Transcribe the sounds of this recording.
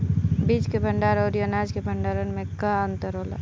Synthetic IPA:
biːd͡ʒkebʱəɳɖaːɾɔːɾjənaːd͡ʒkebʱəɳɖaːɾənmẽkaənt̪əɾɦoːla̰ː

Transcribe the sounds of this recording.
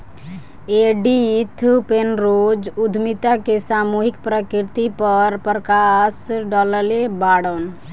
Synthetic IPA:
eɖit̪ʰupenɾod͡ʒud̪ʱmit̪akesamuɦikpɾəkiɾt̪ipəɾpɾəkasɖɔləlebaɽən

